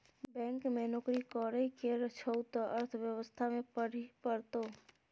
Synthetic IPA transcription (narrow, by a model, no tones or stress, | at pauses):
bɛ̃ːŋkmẽnoːkɾikɔːɾəikeɾət͡ʃʰəʊt̪əɾt̪ʰʋjəʋəst̪ʰamẽpəɽ̤ipəɾt̪oː